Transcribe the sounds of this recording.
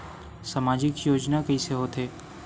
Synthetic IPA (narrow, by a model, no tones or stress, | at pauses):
saːmaːd͡ʒɪkjoːd͡ʒnakɐiseɦoːt̪ʰeː